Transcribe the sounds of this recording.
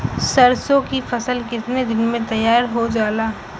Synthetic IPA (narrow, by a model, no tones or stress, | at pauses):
sɐɾsõkifɐsəlkɪt̪ned̪ɪnmẽt̪ɐjːaːɾɦod͡ʒaːlaː